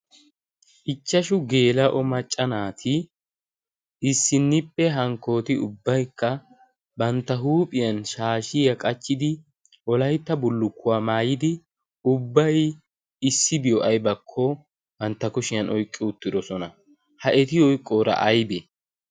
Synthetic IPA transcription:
ʔɪt͡ʃːɐʃʊɡe̞ːlɐʔɔmɐt͡ʃʼːɐnaːt̪ʰɪ | ɪsːɪnːɪpʼːɛɦɐŋkːo̞ːt̪ɪʊbːɐjkːɐ | bɐnt̪ːɐɦuːpʼɪjɐnʃaːʃɪjɐkʼɐt͡ʃːɪd̪ɪ | ʔɔlɐjt̪ːɐbʊlːʊkʰːʊwaːmaːjɪd̪ɪ | ʊbːɐj | ɪsːɪbɪjɔʔɐjbɐkʰːɔ | bɐnt̪ːɐkʊʃɪjɐnʔɔjkʼːɪʊt̪ːɪd̪ɔsɔnɐ | hɐʔɛt̪ɪɔjkʼːoːɾɐ̰ʔɐjbɛ

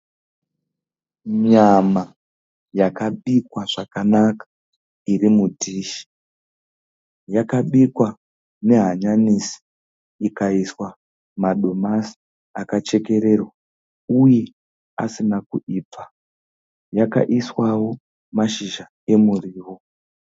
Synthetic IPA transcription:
mama | jakaɓikwaʐakanakḁ | irimudʱiʃi̥ | jakaɓikwa | ne̞ɦaɲanisi̥ | ikaiswa | maɗo̞masi̥ | akat͡ʃe̞ke̞ɾe̞rwa | uje̞ | a̰sinakuʔiːpa | jaka̰ʔiswawo̞ | maʃiʒa | e̞muriːwo

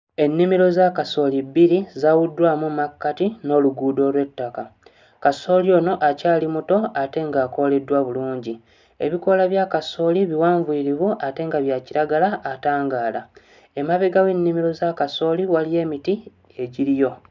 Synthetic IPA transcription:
e̞nːimiɾo̞zakaso̞libiɾizawudːwaːmumakːatino̞ːluɡuːdo̞ːlwe̞tːaka | kaso̞ːlio̞ːno̞ʔacaːlimuto̞ate̞ŋɡaːko̞le̞dːwaβuluːɲɟi | e̞̰βiko̞laβjakaso̞ːliβiwaːɱviiɾiβuate̞ŋɡaβjaciɾaɡalaʔːtaːŋɡaːla | e̞maβeɡawe̞nːimiɾo̞zakaso̞liwalije̞ːmiti | eɟiɾijo̞

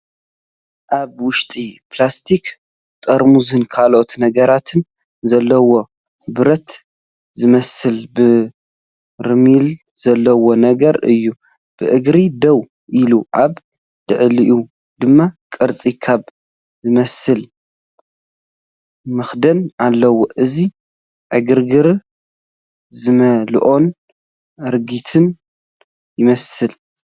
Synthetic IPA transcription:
ʔaβwʊʃt̪ʼiplast̪ʰik | t̪ʼɐɾmuzɨnkʰalo̞t̪nɐɡɐɾat̪ʰɨn | zɐlːɐwo̞ | bɨɾɐt̪ | zɨmɐsɨlbɨ | ɾɨmil | z̥ɐlːɐwo̞nɐɡɐɾɨ̰jːu | b̥ɨʔɨɡɾid̪ɐw | ʔiluʔaβ | d̪̥ɨʕliʔu | d̪̥ɨmːakʼɨɾt͡sʼikʰaβ | zɨmɐsɨl | mɨxd̪ɐnalːɐwoʔɨzi | ʕɨɡɨɾɡɨɾ | zɨmɐlʔo̞n | ɨɾɡit̪ʰɨn | jɪmɐsɨl

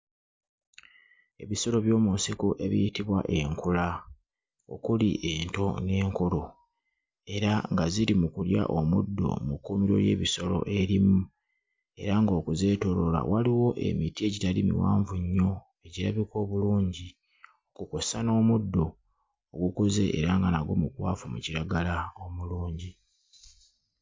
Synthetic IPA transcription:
e̞βiso̞lo̞βjo̞ːmunsikuʔe̞βijitiβwa̰ʔe̞ŋkula | o̞̰kulḭʔe̞ːnto̞ne̞ːŋkoɾo̞ | e̞ɾaŋɡaziɾimukulja̰ʔomudːo̰mukːumiɾo̞̰je̞̰ːβiso̞lo̞̰ʔe̞ɾimu | e̞ɾaŋɡo̞ːkuze̞ːto̞ɾo̞la̰waliwo̞ʔe̞̰mitie̞ɟitalimḭwaːɱvuɲːo̞ | e̞ɟiɾaβiko̞ːβuluːɲɟi | o̞kuko̞sano̞ːmudːo̞ː | ɡukuze̞̰ʔḛɾaŋɡanaɡo̞̰mukwaːfumṵciɾaɡalao̞muluːɲɟi

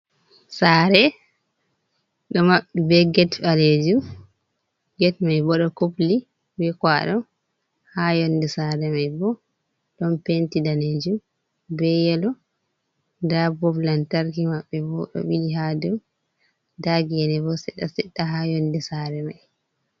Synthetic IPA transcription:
saːɾɛ | ɗɔmaɓibɛɡɛtfaled͡ʒum | ɡɛtmajbɔɗɔkopli | bɛkwaɗɔm | hajɔndɛsaɾɛmajbɔ | ɗɔmpentidaned͡ʒum | bɛjɛlɔ | dabɔblantaɾkimaɓːɛbɔɗɔ̰wiliɦadum | daɡijɛnɛbɔsɛɗasɛɗːaɦajɔndɛsaːɾɛmaj

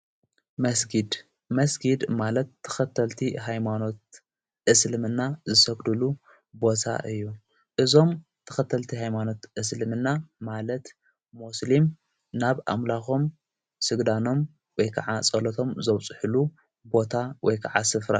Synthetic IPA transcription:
mɐsɡid̪ | mɐsɡid̪malɐt̪ʰːɐ̥xɐt̪ʰːɐlt̪ʰiɦajmano̞t̪̚ | ʔɨslɨmɨnːazɨsɐɡd̪ulu | bo̞t̪ʰa̰ʔɨjːu | ʔɨzo̞mt̪ʰːɐ̥xɐt̪ʰːɐlt̪ʰiɦajmano̞t̪ʔɨs̬lɨmɨnːamalɐt̪ | muslim | naβʔa̰mlaxo̞m | sɨɡd̪ano̞m | wɔjkʰɐ̰ʕat͡sʼɐlot̪ʰo̞mzɐwt͡sʼɨħɨlu | bo̞t̪ʰawɔjkʰaʕa̰sɨfɾa̰

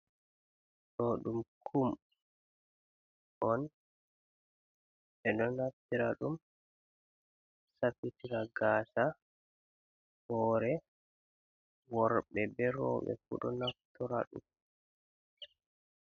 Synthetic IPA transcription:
ɗɔɗumkʰum | ʔɔn | ɛɗɔnaftiɾaɗum | sapitiɾaɡaːsa | hɔːɾɛ | wɔɾɓɛbɛɾɔ̰ːɓɛ̰fṵɗɔ̰naftɔɾa̰ɗṵm

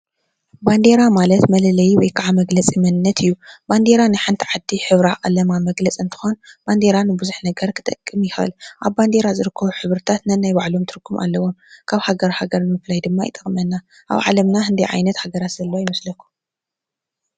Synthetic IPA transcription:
band̪eɾamalɐt̪mɐlɐlɐjiwɔjkʰaʕamɐɡlɐt͡sʼɨmɐnɨnːɐt̪ʰɨjːuband̪e̞ɾanɨħɨnt̪ʰʕad̪ːiħɨβɾaqʼɐlɐmamɐɡlɐt͡sʼɨnt̪ʰɨ̥xo̞nb̥and̪e̞ɾanɨbɨzuħnɐɡɐɾkʰɨ̥t̪ʼɐkʼːɨmjɪxɐɨ̰lʔaβband̪e̞ɾazɨɾɨkʰːɐβuħɨβɾɨt̪ʰat̪nɐnːajbaʕlo̞mt̪ʰɨɾɡumʔa̰lːɐwomkʰaβhaɡɐɾhaɡɐɾnɨmɨflajd̪ɨmːajɪ̰t̪ʼɐχʼmɐnːa | ʔa̰βʕa̰lɐmnaɦɨnd̪ijʕa̰jnɐt̪haɡɐɾat̪z̥ɐlːɐojɪmɐslɐkʰːu̥

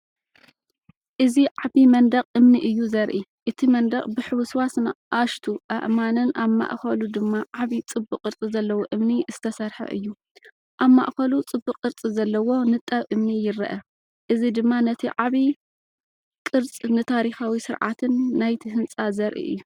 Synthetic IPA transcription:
ʔɨziʕaβimɐnd̪ɐqʼʔɨmniʔɨjːuzɐɾʔiʔɨt̪ʰimɐnd̪ɐχʼbɨħɨwɨswasnɨʔaʃt̪ʰuʔɐʔmanɨnʔaβma̰ʔxɐlud̪ɨmːaʕaβit͡sʼɨbːɨqʼːɨɾt͡sʼizɐlːɐwoʔɨmniz̥ɨt̪ʰɐsɐɾħɐ̰ʔɨ̰jːu | ʔaβma̰ʔxɐlut͡sʼɨbːɨqʼːɨɾt͡sʼizɐlːɐwo̞nɨt̪ʼːɐβʔɨmnijɪɾɐ̰ʔɐ | ʔɨzid̪ɨmːanɐt̪ʰiʕaβi | kʼɨɾt͡sʼnɨt̪ʰaɾixawisɨɾʕa̰t̪ʰɨnːajt̪ʰiɦɨnt͡sʼazɐɾʔḭʔɨ̰jːu

